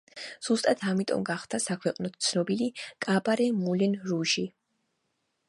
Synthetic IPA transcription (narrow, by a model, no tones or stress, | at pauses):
z̥ust̪ʼat̪ʰamit̪ʼɔ̰mɡaχt̪ʰasakʰwɛqʼnɔt̪ʰt̪sʰnɔbilikʼabaɾɛmulɛnɾuʃi